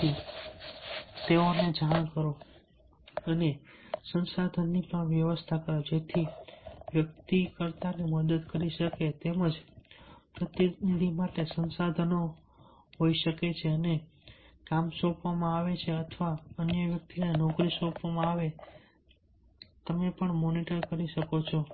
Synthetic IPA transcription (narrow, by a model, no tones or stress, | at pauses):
i | t̪eoned͡ʒaɳ̃kəɾo | ənesənsad̪ʱənːipəɳʋjəʋəst̪ʰakəɾod͡ʒet̪ʰiʋjək̚t̪ikəɾt̪aneməd̪əd̪kəɾiʃəket̪eməd͡ʒ | pɾət̪jənimaʈesənsad̪ʱəno | ɦoiʃəket͡ʃʰeənekamsɔ̃pʋamãaʋet͡ʃʰeət̪ʰʋaənjəʋjək̚t̪inenɔkɾisɔ̃pʋamãaʋe | t̪əmepəɳmoniʈəɾkəɾiʃəkot͡ʃʰo